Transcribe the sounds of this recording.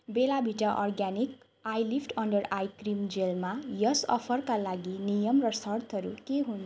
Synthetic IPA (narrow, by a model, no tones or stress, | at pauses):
belabʱiʈaʔɔrɡanik | ajlipʰʈʰʌɳɖʌrajkrimd͡zelmajʌsʌ̰pʰʌrkalaɡinijʌmrʌsʌrt̪ʰʌɾukeɦun